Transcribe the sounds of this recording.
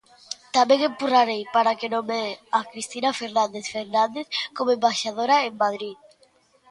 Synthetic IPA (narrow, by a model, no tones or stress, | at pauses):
t̪amẽŋempuraɾejpaɾakenomeakɾist̪inafeɾnand̪eθfeɾnand̪eθkomoembaʃaðoɾaeŋmað̞ɾið